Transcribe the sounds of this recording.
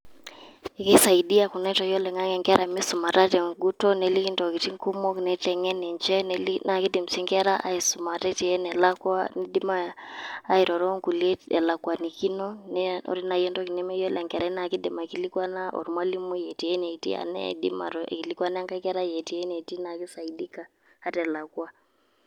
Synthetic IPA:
i˨ke˦sa˨i˨di˦a˦˨ku˨nɛ˦tɔ˨jɔ˦lɛ˨ŋa˦ŋɛ˨ŋɡɛ˦ɾʔa˨mɪ˦su˨ma˨ta˦tɛ˨ŋɡu˦tɔ˦nɛ˨li˦ki˦ndɔ˨ki˨ti˦ŋku˦mɔ˦knɛ˦tɛ˨ŋɛ˦nɛ˨ɲd͡ʒɛ˦nlna˨ki˦di˨m̩˨si˦ŋɡɛ˦ɾa˦ʔa̰˦i˨su˨ma˨tɛ˦ti˨ɛ˦nɛ˨la˦kwa˦ni˦di˦maː˦ | i˨ɾɔ˨ɾɔ˦ŋku˨liɛ˦ɛ̰˨la˨kwa˨ni˨ki˦nɔ˦nɛ˦ɔ̰˦ɾi˦na˨jɛ˦ndɔ˦ki˨nɛ˦mɛ˦jɔ˦lɛ˨ŋɡɛ˨ɾa˨˦na˨ki˦dɪ˨ma˨ki˦li˦kwa˦na˦ʔɔ̰˨ɾmwa˦li˦mu˦jɛ˨ti˨ɛ˦nɛ˨tḭ˦a̰˨nɛ̰˦dḭ˦ma̰˨ɾɔ̰˨ki˨li˦kwa˦n˦a˦ŋɡa˦kɛ˦ɾa˦jɛ˨ti˨ɛ˦nɛ˨ti˦na˨ki˦sa˨i˨di˦ka˦ | ha˦tɛ˨la˨kwa˦

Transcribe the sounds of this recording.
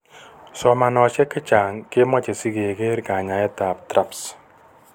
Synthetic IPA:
sɔ˨ma˨nɔ˨t͡ʃɛ˦kɪ˦t͡ʃa˨ŋke˦mɔ˦t͡ʃe˨si˦ke˨ɡe˦ɾka˨ɲa˨ɛ˦ta˨p̚tɾa˦ps

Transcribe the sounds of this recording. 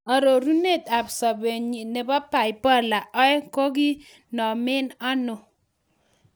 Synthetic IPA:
ɔ˨ɾo˨ɾu˦ne˦˨t̪a˨bsɔ˨be˨ɲi˨ne˨ba˦pa˨ɪ˨pɔ˦la˨ʔɔ˦ɛ˦ko˦ɡi˦ | nɔ˨mɪ˦nɔ˦nʊ˨

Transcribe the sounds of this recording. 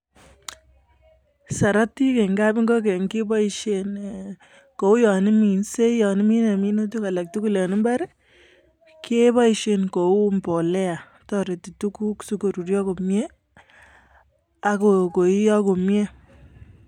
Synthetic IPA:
sa˨ɾa˦ti˦ke˨ŋɡa˦pi˦ŋɡo˦k̬e˨ŋki˦bɔ˦i˨ʃe˦n | ko˨u˦jɔ˨ni˦mi˨nse˦jɔ˨ni˦mi˦ne˨mi˦no˦tu˦ka˨la˨k̚tu˦ku˦le˨nɪ˦mba˦ɾ | ke˦bɔ˦i˨ʃe˨nko˨u˦mbɔ˨lɛ˦a˨ | tɔ˦ɾe˨ti˨tu˦ku˦ksu˦ko˨ɾu˨ɾjɔ˦ko˨mje˦ | a˨ko˨ko˨i˦jɔ˦ko˨mje˦

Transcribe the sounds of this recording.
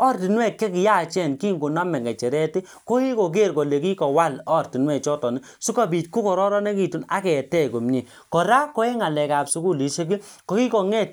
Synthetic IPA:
ɔ˦˨ɾti˨nwɛ˦˨t̚kɛ˦ki˨ja˦˨t͡ʃɛ˦˨nki˦˨ŋɡo˨na˦mɛ˨ŋɡɛ˨t͡ʃɛ˨ɾɛ˦ti˦ | ko˦ki˦ko˨k̬e˦˨ɾkɔ˨le˨ki˦kɔ˨wa˦˨lɔ˦˨rti˨nwɛ˦˨t͡ʃɔ˦tɔ˨ni˦ | su˦ka˦bi˨tku˦kɔ˨ɾɔ˦ɾɔ˦nɛ˦ki˦˨tu˨na˦kɛ˨tɛ˦˨ko˨mɲe˨ | kɔ˨ɾa˦kɔ˦ɛ˦ŋa˨lɛ˨ka˨psu˦ku˦˨li˨ʃe˦ki˦ | kɔ˨ki˦kɔ˨ŋɛ˦˨t̚

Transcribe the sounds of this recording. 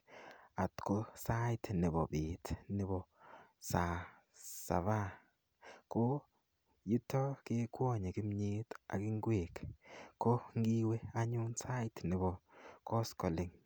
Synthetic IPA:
a˨tko˦sa˦ɪ˦tnɪ˨bɔ˨bi˨tnɪ˦bɔ˨sa˨ | sa̰˨βa˦ | ko˦ | ju˦tɔ˦kɪ˦kwɔ˦˨ɲe˨kɪ˦mɲe˦ta̰˨kɪ˦ŋɡwe˨kko˦ŋɡi˦we˦a˦ɲu˦nsa˦ɪ˦tnɪ˨bɔ˨kɔ˦skɔ˨lɪ˦ŋ

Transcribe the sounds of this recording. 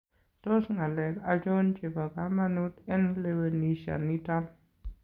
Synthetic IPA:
to˦sŋa˨le˨ka˦d͡ʒo˦nt͡ʃe˨pa˨ka˨˦ma˦nu˦tɛ˦nle˧we˨ni˨˦ʃa̰˨ni˦ta˦n

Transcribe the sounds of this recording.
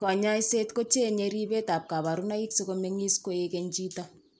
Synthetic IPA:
kɔ˨ɲa˦i˦se˦tko˦t͡ʃe˦ɲe˨ɾi˦be˦ta˨p̚ka˨βa˨ɾu˦na˦ki˦ksi˦ko˦me˦ŋi˦sko˦e˦ke˨ɲt͡ʃi˦ta˦

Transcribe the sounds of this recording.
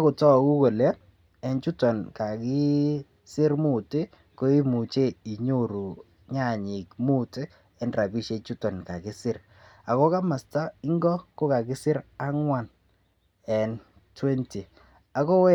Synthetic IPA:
a˦kʊ˨tɔ˦˨kʊ˦ɡo˨le˦ | ɛ˨nt͡ʃu˦tɔ˨nka˨kɪ˦ | sɪ˦ɾmʊ˦tɪ˦ | kɔ˦i˦mu˨t͡ʃe˦i˨ɲo˦˨ɾu˨ | ɲa˦˨ɲɪ˨kmu˦tɪ˦ | ɛ˦nɾa˨bi˦ʃe˦t͡ʃu˦tɔ˨nka˨kɪ˦sɪ˦ɾ | a˨kɔ˦ka˦ma˨sta˦ɪ˦ŋɡɔ˦kɔ˦ka˨ɡɪ˦sɪ˦ɾa˦ŋwa˦n | ɛ˨n | twe˦nti˨ | a˨kɔ˦

